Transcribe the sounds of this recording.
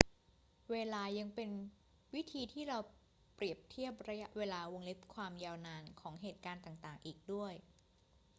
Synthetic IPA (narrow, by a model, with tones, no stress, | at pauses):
weː˧laː˧ja˧ŋpe˧n | wi˦˥t̪ʰiː˧t̪ʰiː˥˩ɾa˧w | pɾi˨˩əp̚t̪ʰi˥˩əp̚ɾa˧ja˦˥ʔweː˧laː˧wo˧ŋle˦˥p̚kʰwaː˧mjaː˧wnaː˧nkʰɔː˩˦ŋɦeː˨˩t̪̚kaː˧nt̪aː˨˩ŋt̪aː˨˩ŋʔiː˨˩k̚du˥˩əj